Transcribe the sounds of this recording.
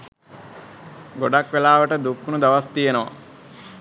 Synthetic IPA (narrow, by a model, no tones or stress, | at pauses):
ɡoɖakʋelaːʋəʈəd̪ukːunud̪aʋast̪ijenəʋa̰